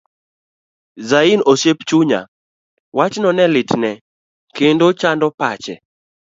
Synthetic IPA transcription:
zainoʃept͡ʃuɲa̰ | wat͡ʃnɔnɛlɪtnɛ | kendot͡ʃandɔpat͡ʃɛ

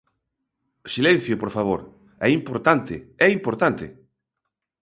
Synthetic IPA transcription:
silɛ̃n̟θjopoɾfaβ̞oɾ | ɛimpoɾt̪ant̪ɪɛimpoɾt̪ant̪ɪ̰

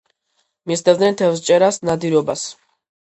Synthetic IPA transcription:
misd̪ɛvd̪nɛnt̪ʰɛfst͡ʃʼɛɾasnad̪iɾɔbas

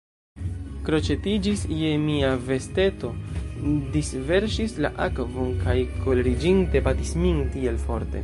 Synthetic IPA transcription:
kɾo̞t͡ʃe̞tid͡ʒisje̞miave̞ste̞to̞ | disve̞ɾʃisla̰ʔakvo̞nkajkʰo̞lɾid͡ʒinte̞batismintie̞lfo̞ɾte̞̰

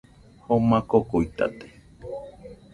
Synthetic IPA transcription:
homãkokoit̪a̰t̪e̥

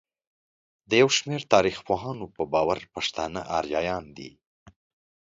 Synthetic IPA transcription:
d̪əjawʃmeɾt̪ɑɾixpoɦɑnopəbɑwaɾpaʂt̪ɑnə̰ʔɑɾjɑjɑnd̪ḭ

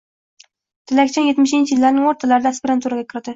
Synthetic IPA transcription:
t̪ʰɪlakʲt͡ʃʰɒŋjet̪mɪʃɪnt͡ʃʰɪjɪlːaɾnɪŋoɾt̪ʰalaɾɪd̪aːspiɾant̪ʰuɾaɡʲakʲʰɪɾɪd̪ɪ

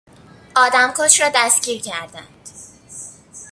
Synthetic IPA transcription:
ʔɒːd̪æmkʰoʃɾɒːd̪æst̪ɟiːɾcʰæɾd̪æ̰nd̪̥

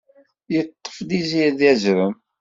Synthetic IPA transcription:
jət̪ˤːə̥fd̪iziðjæzɾəm

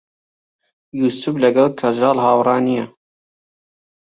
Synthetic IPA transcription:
juːsublɐɡɐlkʰɐʒɑːlhɑːwrɑːnijɛ

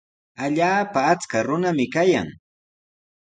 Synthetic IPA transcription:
aʎaːpaːt͡skaɾʊnamɪkaja̰ŋ

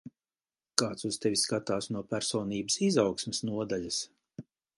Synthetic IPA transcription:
kaːt̪suz̥t̪ɛvʲiskat̪aːsnuɔpæɾsɔːniːbəsizawksmʲɛsnuɔd̪aʎʲas

